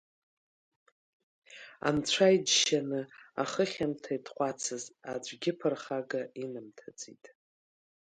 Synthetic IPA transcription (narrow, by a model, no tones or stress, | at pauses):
a̰nt͡ɕʷʰajd͡ʒʃanɨa̰χəχʲamtʰaitʰχʷʼat͡sʰɨzad͡ʒʷɡʲɪpʰɨrχaɡainɨmtʰad͡zitʼ